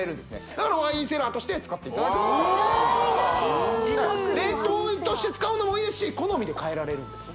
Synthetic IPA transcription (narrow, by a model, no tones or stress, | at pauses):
e̞ɾɯ̟̃nd̪esɨne̞d̪̥akaɾaβaĩːse̞ɾaːt̪o̞ɕi̥t̪e̞t͡sɨ̥kat̪ːe̞it̪ad̪ait̪emasoõnd̪s | aɾe̞t̪o̞ːt̪o̞ɕi̥t̪e̞t͡sɨ̥kaɯ̟no̞moieɕiːko̞no̞mʲid̪e̞kae̞ɾaɾe̞ɾɯ̟̃nd̪e̞sɨ̥